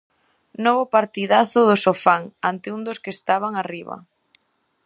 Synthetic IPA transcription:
nɔβʊpaɾt̪iðaθʊðʊsofaŋant̪ɪund̪ʊskest̪aβaŋariβɐ̰

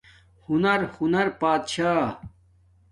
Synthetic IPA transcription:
hunɐɾhunɐɾpaːd̪ɕaː

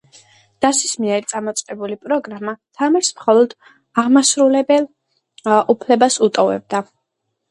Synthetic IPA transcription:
d̪̥asismiɛɾit̪sʼamɔt̪sʼqʼɛbulipʼɾɔɡɾamat̪ʰamɛɾsmχɔlˠɔd̪̥ | aʁmasɾulɛbɛlˠ | upʰlɛbasut̪ʼɔvɛ̰b̚d̪a

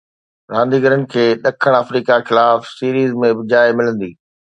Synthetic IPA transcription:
ɾãːnd̪iːɡəɾənɪ̆kʰeːɗɐkʰəɽ̃əfɾiːkaxɪlaːfsiːɾiːzmẽbɪd͡ʑaːɪmɪlə̃nd̪iː

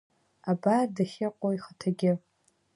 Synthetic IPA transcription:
abadaχʲɪqʷʼoiχətʰaɡʲɪ

